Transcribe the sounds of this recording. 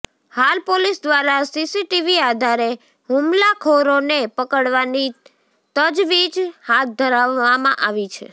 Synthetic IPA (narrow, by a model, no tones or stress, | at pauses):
halpolisd̪ʋaɾasisiʈiʋiad̪ʱaɾe | ɦumlakʰoɾonepəkəɽʋani | t̪əd͡ʒʋid͡ʒhat̪̚d̪ʱəɾaʋːamã̰ʔaʋit͡ʃʰe